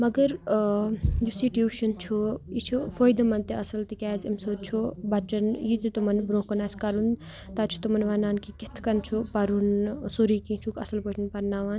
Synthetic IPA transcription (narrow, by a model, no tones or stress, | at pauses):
mɐɡɐɾ | d͡ʒusiʈjuʃɐnt͡ʃʰujit͡ʃʰufojd̪ɐmɐnt̪eɐsɐlt̪ikʲaːzɐmsot͡ʃʰubɐʈɐnjit̪it̪umɐnbɾoːkɐnaskɐɾun | t̪at͡ʃʰu̥t̪umɐnʋanaːnkikit̪ʰkɐnt͡ʃʰupɐɾunsoɾiːkĩt͡ʃʰukɐ̰sɐlpoʈʰɐnpɐɾnaːʋaːn